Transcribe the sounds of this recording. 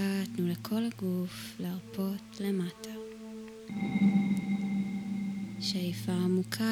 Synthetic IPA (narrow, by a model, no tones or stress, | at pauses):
atnulekʰo̞lhaɡufleaʁpʰo̞tle̞matʰa | ʃajfaːmukʰa